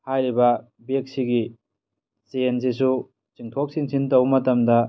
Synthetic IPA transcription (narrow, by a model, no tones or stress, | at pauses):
hajɾibɐ | bek̚siɡi | siens̬is̬u | t͡ʃiŋtʰok̚siŋsʰintɐwmɐtɐmdɐ